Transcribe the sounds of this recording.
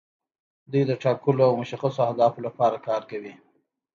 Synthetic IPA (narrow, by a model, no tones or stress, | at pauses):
d̪ujd̪əʈɑkuloawmʊʃaxasoahd̪ɑfolapɑɾakɑɾkawi